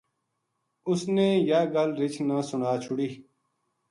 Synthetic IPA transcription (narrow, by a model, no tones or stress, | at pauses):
ʊsneːjaːɡəlɾɪt͡ʃʰnaːsʊɳaːt͡ʃʰʊɽiː